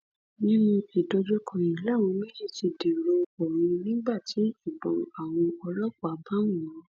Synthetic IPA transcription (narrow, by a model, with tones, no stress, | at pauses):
nĩ˦mũ˧i˨do˧d͡ʒo˦kɔ̃˨jĩ˨la˦˨w̃ɔ̃˧mĩ˦lĩ˦˨ti˧de˨ɾo˧o˨ɾ̃ũ˧nĩ˦ɡ͡ba˦˨ti˨˦ʃu˦˨bɔ̃˨˦a˨w̃ɔ̃˧ɔ˧lɔ˦kɔ˦a˨˦ba˦wũ˦˨ɔ̃˨˦